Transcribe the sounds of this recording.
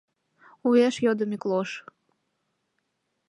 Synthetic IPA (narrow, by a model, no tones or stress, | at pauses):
ueʃjod̪əmiklˠoʃ